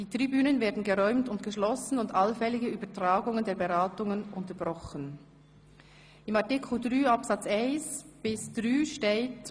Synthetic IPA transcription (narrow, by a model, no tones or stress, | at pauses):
d̥iːtʁibyːnənveːɐdn̩ɡəʁɔʏmtʊntɡ̥əʃlɔsn̩ʊndʔalfɛlɪɡəyːbɐtʁ̥aːɡʊŋəndeːɐbeʁaːtʊŋənʔʊntɐbʁɔxən | ɪmɑʁtɪkʰl̩dʁyːɑpsat͡sɛɪnsb̥ɪsd̥ʁyːʃteːt